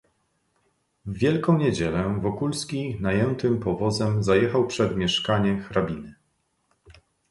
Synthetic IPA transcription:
vːʲjɛlkɔ̃w̃ɲed͡ʑɛlɛvɔkulskʲinajɛnt̪ɘmpɔvɔzɛmzajɛxawpʂɛd̪mʲjɛʂkaɲɛxɾabʲinɘ

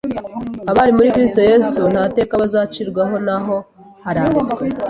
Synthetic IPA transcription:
aβaɾimuɾikɾisto̞je̞ːsun̥hate̞ːkaβazaːt͡ʃiɾɡwaɦo̞naɦo̞ | haɾaːɡit͡sɡwe

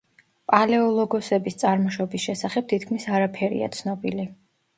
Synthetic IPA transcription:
pʼalɛɔlˠɔɡɔsɛbist̪sʼaɾmɔʃɔbisʃɛsaχɛb̚t̪ʰit̪̚ʰkʰmisaɾapʰɛɾḭa̰t̪sʰnɔbili

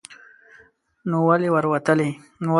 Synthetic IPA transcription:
nowalewaɾwat̪əle | no

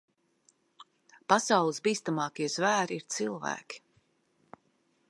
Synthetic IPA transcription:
pasawlˠɨsbiːst̪amɑːkiɛz̥væːɾiiɾt̪silˠvæ̰ːkʲi̥

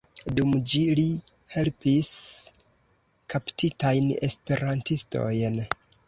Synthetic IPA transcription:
dumd͡ʒili | he̞lpis | kaptitajne̞̰spe̞ɾantisto̞̰jn

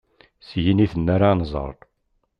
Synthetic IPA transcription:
sjiniθənːaɾanzˤə̰ɾˤt̪ˤ

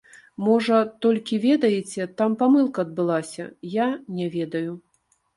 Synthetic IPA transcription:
mɔʐɐt̪ɔlʲkʲivʲɛd̪ɐjet͡sʲɛt̪ampamɨlˠkɐːd̪̚bɨlˠasʲɐ̰janʲɛvʲɛd̪ɐju

